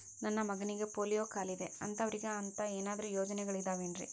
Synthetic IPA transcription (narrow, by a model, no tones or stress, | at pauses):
nɐnːɐmɐɡɐniɡe̞poːlijoːkaːlid̪e̞ɐ̰nt̪ɐʋɐɾiɡeɐnt̪ɐeːnaːd̪ɐɾujo̞ːd͡ʒɐnɛɡɐɭid̪aːʋeːnɾḭ